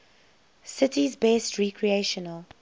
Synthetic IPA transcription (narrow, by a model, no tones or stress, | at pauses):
sɪtizbɛstʰɹikʰɹieʃɔnəl